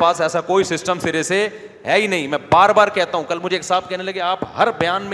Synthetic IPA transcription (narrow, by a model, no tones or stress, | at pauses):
paːsɛːsakoːisɪsʈəmsɪɾese | ɦɛinɐɦĩmɛ̃ːbaːɾbaːɾkɛɦt̪aɦũkɐlmʊd͡ʒʱeːkɦɪsaːbkɛɦnelɐɡeaːpɦɐɾbɐjaːnm